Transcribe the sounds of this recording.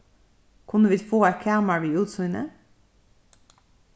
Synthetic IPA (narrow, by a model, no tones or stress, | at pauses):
kʰʊnəʋiːfoːækʰæːməɹʋiːʉːt̪sʊɪnə̰